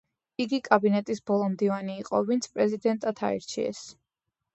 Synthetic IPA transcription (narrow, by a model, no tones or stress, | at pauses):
iɡikʼabinɛt̪ʼisbɔlˠɔmd̪ivaniːqʼɔvint̪sʰpʼɾɛzid̪ɛnt̪ʼat̪ʰa̰ḭɾt͡ʃʰḭɛ̰s